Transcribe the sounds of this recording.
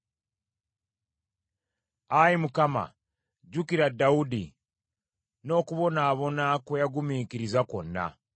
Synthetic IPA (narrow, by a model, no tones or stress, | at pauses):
ajimukama̰ | ɟukiɾadːaudi | no̞ːkuβo̞naːβo̞nakwejaɡumiːkiɾizako̰nːa̰